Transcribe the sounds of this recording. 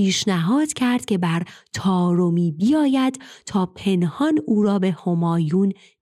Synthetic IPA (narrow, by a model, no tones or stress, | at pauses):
iːʃnæɦɒːd̪̥cʰæɾd̪̥cʲʰe̞bæɾt̪ʰɒːɾomiːbijɒːjæd̪̥t̪ʰɒːpʰe̞nhɒnuːɾɒːbe̞homɒːjuːn